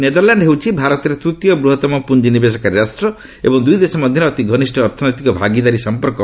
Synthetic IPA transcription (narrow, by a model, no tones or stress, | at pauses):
ned̪ɔɾlaɳɖɦewt͡ʃʰibʱaɾɔt̪ɔɾet̪ɾut̪jɔbɾuɦɔt̪ɔmɔpund͡ʒinibes̬ɔkaɾiɾasʈɾɔ | ḛbɔŋd̪ujd̪esɔmɔd̪ʱjɔnɔːt̪iɡʱɔnisʈʰɔːɾt̪ʰɔnɔjt̪ikɔbʱaɡid̪aɾisɔmpɔɾkɔ